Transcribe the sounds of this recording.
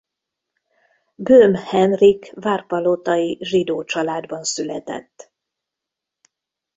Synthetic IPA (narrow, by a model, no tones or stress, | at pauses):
bøːmhɛnrikvaːrpɒlot̪ɒiʒid̪oːt͡ʃɒlaːd̪bɒnsylɛt̪ɛ̰t̪ː